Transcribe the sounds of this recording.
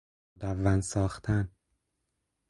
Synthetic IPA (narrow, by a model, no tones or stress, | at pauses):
d̪ævːænsɒːxt̪ʰæn